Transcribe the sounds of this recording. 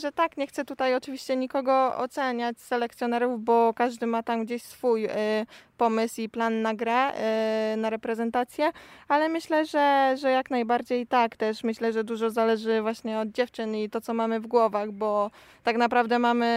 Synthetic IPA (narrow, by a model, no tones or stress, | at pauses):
ʐɛt̪akɲɛxt̪sɛt̪ut̪ajɔt͡ʂɘvʲiɕt͡ɕɛɲikɔɡɔɔ̰t̪sɛɲat͡ɕsɛlɛkt̪sʲjɔnɛɾuvbɔkaʐd̪ɘmat̪amɡd͡ʑeɕsfuj | pɔmɘsiplanːaɡɾɛ | naɾɛpɾɛzɛnt̪at̪sʲjɛalɛmɘɕlɛʐɛʐɛjaknajbaɾd͡ʑejt̪akt̪ɛʂmɘɕlɛʐɛd̪uʐɔzalɛʐɘvwaɕɲɛɔd̪̚d͡ʑɛft͡ʂɘnit̪ɔt̪sɔmamɘvɡwɔvaɣbɔ | t̪aknapɾavd̪ɛmamɘ